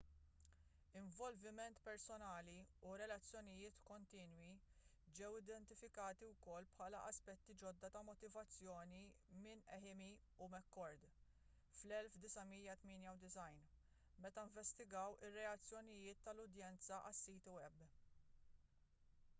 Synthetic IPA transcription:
ɪɱvɔlvɪmɛnt̪pɛɾsɔnɐːliuɾɛlɐt͡sːjɔnɪjɪːt̪kɔnt̪iːnwi | d͡ʒɛwɪd̪ɛnt̪ɪfɪkɐːt̪iwkɔlːpħɐːlɐʔɐspɛt̪ːid͡ʒɔd̪ːɐt̪ɐmɔt̪ɪvɐt͡sːjɔːnimɪnɛħɪmi | ʊmɛkːɔɾd̪ | flɛlfd̪ɪsɐmiːjɐt̪mɪːnjɐwd̪ɪsɐjn | mɛt̪ɐɪɱvɛst̪ɪɡɐwɪrːɛɐt͡sːjɔnɪjɪːt̪ːɐlʊd̪jɛnt͡sɐʔɐ̰sːiːt̪ɪwɛb

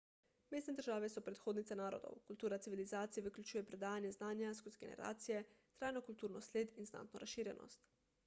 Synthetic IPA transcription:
meːst̪nɛd̪əɾʒaːʋɛsɔpɾɛt̪xoːd̪nit̪sɛnaːɾɔ̰d̪o̰wkult̪uːɾat̪siʋilizaːt̪sijɛʋəklʲut͡ʃuːjɛpɾɛd̪aːjanjɛznaːnjaskuzɡḛnɛ̰ɾa̰ːt̪sijɛt̪ɾaːjnokult̪uːɾnɔsleːd̪inzna̰t̪nɔɾasʃiːɾjɛnʔɔ̰st̪

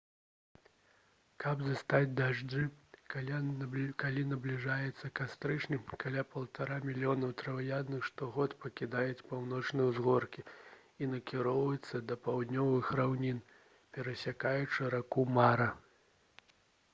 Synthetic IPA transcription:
kɐbzast̪ad͡zʲd̪aʐdɨ | kalʲinɐblʲiʐajɛt̪sːɐkast̪ɾɨt͡ʂnʲɨmkalʲapɐlˠt̪aɾamʲilʲijɔnɐwt̪ɾɐvajad̪nɨxʂt̪ɔɣɔt̪pɐkʲid̪ajɛt͡sʲpawnɔt͡ʂnɐjwzɣɔrkʲi | inɐkʲiɾɔvɐjɛt̪sːɐd̪ɐpawd̪nʲɔvɨxɾawnʲin | pʲɛɾɐsʲakajut͡ʂɨɾakumaɾɐ

